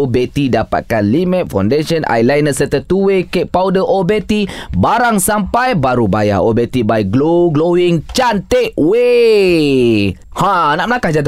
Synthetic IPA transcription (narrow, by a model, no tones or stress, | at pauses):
obet̪idapa̰t̪̚kanlimɛ̃t̪̚fa̰wndeʃənʔa̰jlajnəsət̪ət̪uwekeʔpawdəʔobet̪ibaɾaŋsampajbaɾubaja̰obet̪ibajɡloɡloiŋt͡ʃant̪eʔwe | hãnaʔməlakahd͡ʒat̪